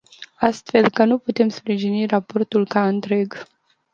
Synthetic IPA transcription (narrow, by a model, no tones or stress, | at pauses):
ast̪fe̞lkənuput̪e̞mspɾiʒinirapo̞rt̪ulkaɨnt̪ɾe̞ɡ